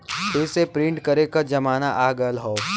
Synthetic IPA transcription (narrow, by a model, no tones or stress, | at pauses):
ɪːsepɾɪ̃ɳʈkɐɾekad͡ʒɐmaːnaʔaːɡəlɦoː